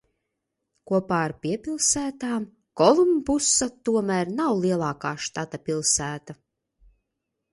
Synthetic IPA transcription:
kuɔpaːaɾpʲiɛpʲilˠsæːt̪aːm | kɔlˠumbusːat̪uɔmæɾnawlˠiɛlˠɑːkaːʃt̪at̪apʲilˠsæːt̪a

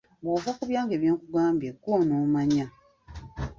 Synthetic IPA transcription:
ɡoːvakuβjaːŋɡeːβjeːŋkuɡaːmbjekwonoːmaɲa

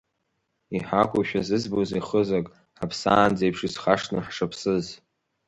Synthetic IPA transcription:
iħakʷʰʼʊʃᶣazɨzboziχəzakʼ | ħapʰsaːnd͡zajpʰʂizχaʂnɨħʂapʰsɨz

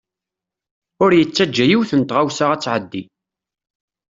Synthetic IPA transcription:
ʊɾjət͡sːæd͡ʒːæjiwθənt̪ʁawsaʁæt͡sːʕəd̪ːi

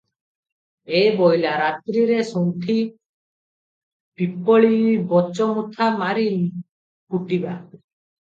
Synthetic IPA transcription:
ebɔjlaɾat̪ɾiɾesɔwt̪ʰi | pipɔɭibɔt͡ʃɔmut̪ʰamaɾil | kuʈiba

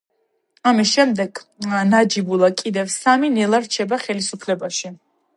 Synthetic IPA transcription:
amisʃɛmd̪ɛɡnad͡ʒibulˠakʼid̪ɛvsaminɛlˠaɾt͡ʃʰɛbaχɛlisupʰlɛbaʃi

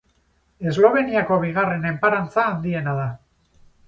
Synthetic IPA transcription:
e̞zlo̞β̞e̞niako̞βiɣ̞are̞ne̞mpaɾant͡saːnd̪ie̞naða

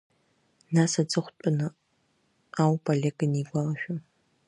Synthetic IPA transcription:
nasad͡zɨχʷt͡pʷʼʊnɨ | awpʰʼoleɡʼɨniɡʷalɐʃᶣʊ

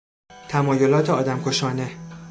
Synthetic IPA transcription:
t̪ʰæmɒːjolɒːt̪ʰeɒːd̪æmkʰo̞ʃɒːne

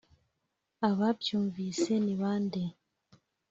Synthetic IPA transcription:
aβabjuːɱviseniβaːnde

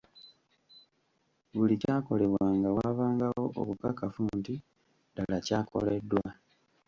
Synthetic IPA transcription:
βulicaːko̞le̞βwaːŋɡawaːβaːŋɡao̞ʔo̰kukakafunti | dalacaːko̞̰le̞dːwa

